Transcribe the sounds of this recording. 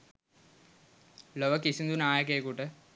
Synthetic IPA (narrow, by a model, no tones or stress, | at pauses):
loʋɐkːisind̪unaːjɐk̬ːejkuːʈːɨ